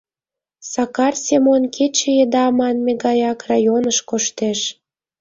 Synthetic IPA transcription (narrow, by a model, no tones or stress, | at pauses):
sɑkɑrsʲemonkʰet͡ɕejed̪ɑmɑnmeɡɑjɑkrɑjonəʃkoʃt̪eʃ